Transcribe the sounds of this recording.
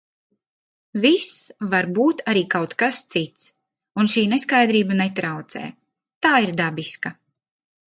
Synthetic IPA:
visvaɾbuːt̪aɾiːkawt̪kast̪sit̪s | unʃiːneskajd̪ɾiːbanet̪ɾawt̪sɛ̰ː | t̪aːiɾd̪abiska

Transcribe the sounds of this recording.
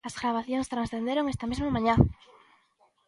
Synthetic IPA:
ɐzɣɾaβ̞aθjõŋst̪ɾansθend̪eɾoŋest̪ɐmezmamãɲã

